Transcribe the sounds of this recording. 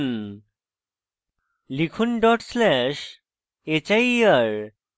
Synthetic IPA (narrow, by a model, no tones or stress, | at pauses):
n | likʰunɖɔʈslɛɕ | et͡ɕajəɾ